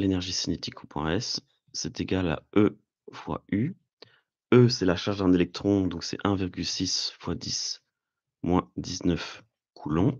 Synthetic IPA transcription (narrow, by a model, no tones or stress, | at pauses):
lenɛʁʒisinet̪ʰikʰɔpɛ̰̃ɛsː | ɛt̪eɡala̰ø | vwa̰y | øsɛlaʃaʁʒd̪ɛ̃nelɛk̚t̪χɔ̃d̪ɔ̃ksɛ̰ʔɛ̃viʁɡʲylsisfwad̪is | mwɛ̃d̪iznœf | kʰulɑ̃